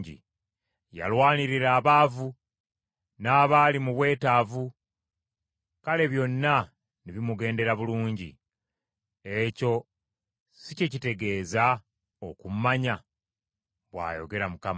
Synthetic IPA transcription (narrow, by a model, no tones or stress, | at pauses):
ɟḭ | ja̰lwaːniɾiɾaːβaːvu | naːβaːlimuβwe̞ːtaːvu | kale̞βjo̞nːa | niβimuɡe̞ːnde̞ɾaβuluːɲɟḭ | eco̞ | sicecite̞ɡe̞ːza | okumaɲa | βwa̰ːjo̞̰ɡe̞ɾamukama